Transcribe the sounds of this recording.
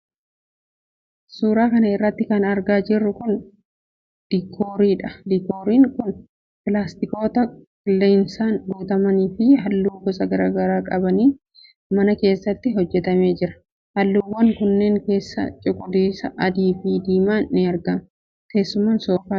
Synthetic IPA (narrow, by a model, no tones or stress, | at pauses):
suːɾaːkɐnɐɪrːɐt̪ːɪkɐnɐɾɡaːd͡ʒɪrːʊkʊn | d̪̥ikʰːoːɾiːᶑɐd̪iko̞ːɾiːŋkʊn | pɪlaːst̪ɪko̞ːt̪ɐkɪlːeːnsaːŋɡoːt̪ɐmɐniːfɪhɐlːuːɡɔsɐɡɐɾaːɡɐɾaːkʼɐbɐniː | mɐnɐke̞ːsːɐt̪ːɪɦɔd͡ʒːɛt̪ɐme̞ːd͡ʒɪɾɐ̥ | hɐlːuːwːɐŋkʊnːe̞ːŋke̞ːsːɐ̰t͡ʃʼɪkʼːʊd̪iːsɐʔɐd̪iːfɪd̪iːmaːnnɪɐɾɡɐn | t̪e̞ːsːʊmaːnsoːfaː